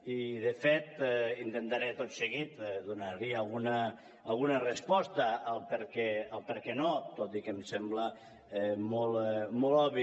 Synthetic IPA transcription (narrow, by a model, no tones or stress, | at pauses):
iðefet̪int̪ent̪aɾɛt̪ot̪seɣit̪ðunaɾiaalɣunaː | lˠɣunarespɔst̪aːlˠpeɾkɛalˠpeɾkɛnot̪ot̪ikemsɛmbla | ɛmolˠmolɔβi